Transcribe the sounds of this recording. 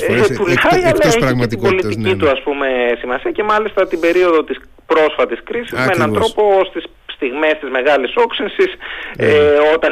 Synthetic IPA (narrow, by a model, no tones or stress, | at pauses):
epulɐjɐlɐeçet̪ibo̞lit̪icit̪uɐspume̞simɐsiɐce̞mɐlist̪ɐt̪ibe̞ɾio̞ðo̞t̪is | pɾo̞sfɐt̪iskɾisizmeenɐnt̪ɾo̞po̞st̪is | st̪iɣme̞st̪izme̞ɣɐliso̞ksinsiseo̞t̪ɐ